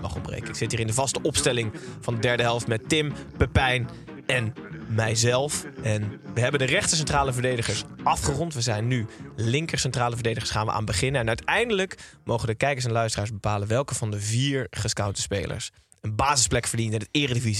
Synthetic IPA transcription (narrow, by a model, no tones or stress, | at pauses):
mɑ̰χɔ̰mbrḛjkəɪksɪtɦiːrɪndəvɑstəʔɔpstɛlɪŋvɑndədɛɹdəɦɛlˠftmɛtɪmpəpɛjn | ɛnmɛjzɛlˠfʔɛnʋəɦɛbəndərɛχtəs̬ɛntraːləvəɹdejdəχəɹsʔɑfχərɔntʋəzɛjnːylɪŋkəɹsɛntraːləvəɹdejdəχəɹsχaːnʋə̰ʔa̰ːnbəχɪnənɛnœɥtɛjndələkmowχədəkɛjkəɹsɛnlœɥstəraːɹzbəpaːlənʋɛlˠkəv̥ɑndəviːɹχəskawtəspejlə̰ɹs | ənbaːzɪsplɛkfəɹdintəndətɪːrədəviz